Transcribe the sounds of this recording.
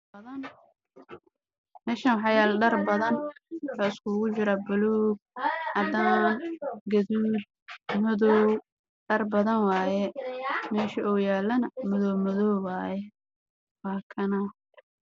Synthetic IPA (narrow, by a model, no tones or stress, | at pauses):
bɐðɐn | mɛːʃɐnwħɑjaːlɖɐrbɐðɐnwħaːɪskʰuːɣʊt͡ʃɪɾɐbʊlɔːɡ̚ʕɑd̪aːnɡɐðuːd̪̚mɐðɔw | ɖɐrbɐðɐnwɑːjɛmɛːʃɐɔːjaːlɐnɐmɐðɔwmɐðɔwwaːjɛ | wɑːkʰɐnɐ